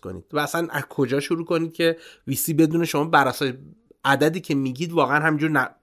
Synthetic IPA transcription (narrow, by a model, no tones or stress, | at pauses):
ko̰nḭːd̪̥vææsænʔæ̰z̥kʰo̞d͡ʒɒːʃuɾuːkʰo̞niːd̪̥̚cʰʲe̞visiːbe̞d̪uːneʃo̞mɒːbæɾæsɒːje | æd̪æd̪iːcʰe̞miːɟiːd̪vɒːɣeænɦæmind͡ʒuːɾnæ